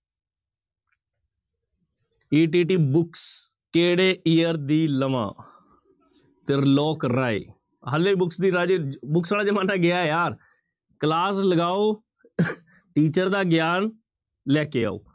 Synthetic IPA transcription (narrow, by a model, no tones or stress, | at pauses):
iːʈ̬iːʈ̬iːbʊks | keːɽeːijəɾd̪iːləʋã̰ː | t̪eɾlɔːkɾaːḛː | ɦəlːebʊksd̪iːɾaːd͡ʒebʊksaːlaːd͡ʒemãːnãːɡɪaːɛjaːɾ | klaːsləɡaːoː | ʈiːt͡ʃəɾd̪aːɡɪjaːn | lɛːkeːa̰ːo̰ː